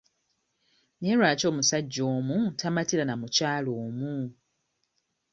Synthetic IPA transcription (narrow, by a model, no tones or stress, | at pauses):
neːɾwaːco̞ːmusaɟːoːmutamatilanamucaːloːmu